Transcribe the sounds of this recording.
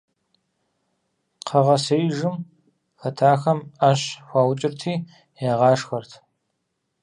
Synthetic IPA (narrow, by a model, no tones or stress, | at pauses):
qʰɐʁɐsɐjʒɨm | xɐtʰaːxɐmɐɕxʷaːwt͡ʃʼɪrtʰiː | jaːʁɑːʂxɐrtʰ